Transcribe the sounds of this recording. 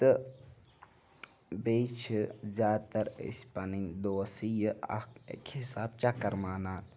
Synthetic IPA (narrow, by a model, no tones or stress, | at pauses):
t̪ɨ | beːt͡ʃʰzʲaːt̪ɐɾḭsʲpɐnind̪oːsijəɐ̰ḛkhisaːb̚t͡ʃakɐɾmaːnaːn